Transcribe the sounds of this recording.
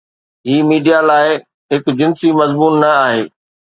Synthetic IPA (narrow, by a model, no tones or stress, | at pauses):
ɦiːmiːɖijalaːɪ | ɦɪkʊd͡ʑɪ̃nsimɐzmuːnːɐaːɦeː